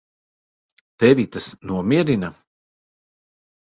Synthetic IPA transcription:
t̪ɛvit̪ɐsnuɔmʲiɛɾina

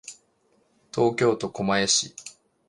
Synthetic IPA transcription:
t̪o̞ːkʲo̞ːt̪o̞ko̞maeɕi

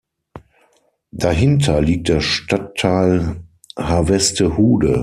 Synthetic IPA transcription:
d̥aɦɪntʰɐliːk̚t̚d̥eːɐʃtatʰːaɪl | havɛstəhuːdə̰

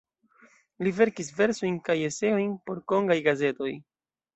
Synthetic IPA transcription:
live̞ɾkis̬ve̞ɾsojnkaje̞se̞o̞jnpo̞ɾko̞ŋɡajɡaze̞to̞j

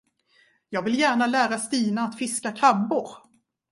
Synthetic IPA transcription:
jɑːɡvɪljæːɳalæːɾast̪iːnaːt̪fɪskakʰabːʊɾ

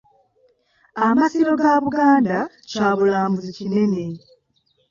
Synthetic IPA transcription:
amasiɾo̞ɡaːβuɡaːnda | caːβulaːmbuzicine̞ne̞

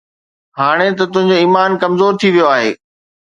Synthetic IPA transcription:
ɦaːɽ̃et̪̬ɐt̪ʊ̃ɦɪ̃ɲ̆d͡ʑoiːmaːnkɐmzoːɾt̪ʰiʋijoaːɦḛː

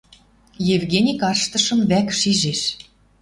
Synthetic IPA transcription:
jevɣenʲikɑrʃt̪ɤ̆ʃɤ̆mβækʃiʒeʃ

